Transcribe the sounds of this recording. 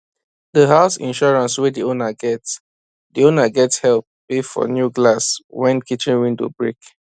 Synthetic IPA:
dəhaʊsḭ̃nʃɔɹãnswɛdionaɡɛts | dionaɡɛtshɛlp̚b̥efɔ̰njuɡlaswɛ̃nkit͡ʃĩnwĩntṵbɹek

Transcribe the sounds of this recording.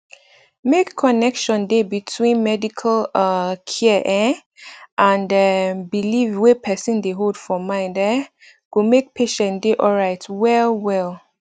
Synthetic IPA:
mekʰːɔnɛkʃɔ̃ndebitʰwĩnmɛdikʰəlkʰiɛʔɛ̃ | ʔãnɛbilivwepʰɛsĩndeɦodfɔmãɪ̃ndɛ | ɡ̥omek̚pʰeʃɛ̃ndeʔɔlɹaɪtwɛlwɛl

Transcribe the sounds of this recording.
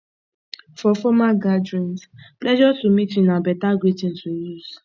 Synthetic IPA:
fɔfɔmaɡad͡ʒɹɛ̃nsplɛʒɔtumitĩnabɛtaɡwetĩn̩tujuz

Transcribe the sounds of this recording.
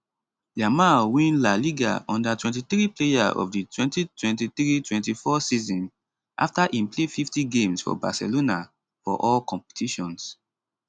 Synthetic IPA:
damawĩnlaliɡa̰ɔ̃ndatwɛ̃ntiθɹiplejaʔɔ̰vditʰwɛ̃ntitwɛ̃ntiθɹitwɛ̃ntifɔsizɔ̃n | ʔa̰ftaʔĩmplefiftiɡẽmsfɔ̰ba̰sɛ̰lona | fɔ̰ʔɔlkɔ̃mpɛ̥tʰiʃɔ̃ns

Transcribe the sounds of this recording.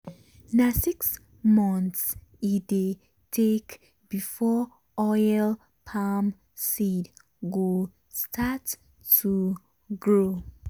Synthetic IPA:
nasiks | mɔ̃ntside | tʰek | b̥ifɔ | ɔjl | pʰam | sid | ɡo | stʰat | u | ɡɹo

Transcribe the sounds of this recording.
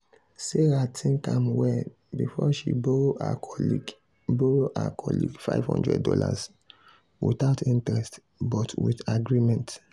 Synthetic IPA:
seɾatʰĩnkãmwɛ | bifɔʃibooa̰kʰɔli | boɹoʔa̰kʰɔlḭɡfa̰ɪv̥hɔ̰̃ndɹɛ̰d̚dɔla̰s | wiθaʊtʰĩntɹɛst | bɔtwiθaɡɹimɛ̃nt

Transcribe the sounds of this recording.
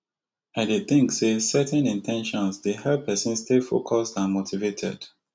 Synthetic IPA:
ãdeθɪ̃ŋksesɛtɛ̃nĩntʰɛ̃nʃɔ̃nsdehɛlpʰɛsə̃nstelfokʰɔstãnmotʰivetʰɛ̰d̥

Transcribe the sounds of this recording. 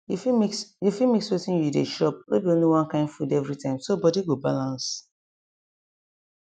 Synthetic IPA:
jufimiksjufimikswetĩnjudeʃɔp̚lebiõniwãnkãɪ̃ndfudɛvɹitʰãɪ̃msobɔdiɡobalãns

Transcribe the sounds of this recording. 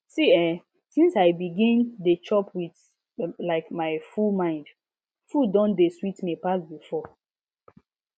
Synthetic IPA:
siɛ | sĩnsaɪbiɡĩndet͡ʃɔpʰwiθ | laɪkmaɪfumãɪ̃nd | fudɔ̃ndeswitmepasbifɔ

